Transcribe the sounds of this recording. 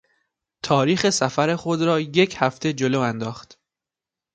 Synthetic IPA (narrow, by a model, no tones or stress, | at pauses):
t̪ʰɒːɾiːxe̞sæfæɾe̞xo̞d̪ɾɒːje̞cʰhæft̪ʰe̞d͡ʒoloːænd̪ɒːxt̪